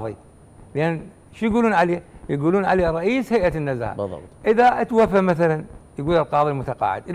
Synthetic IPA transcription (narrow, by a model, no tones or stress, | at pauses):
ðˤḭ | lʔan | ʃjɡuːluːnʕaleːjɪɡuːluːnʕaleːɾˤɑʔiːshajʔanːaza̰ːʔb̰ʔɪðaʔat̪wafːamaθalanjɡuːlɪlqɑːðˤilmʊt̪aqɑ̰ːʕɪ̰d̪ʔɪ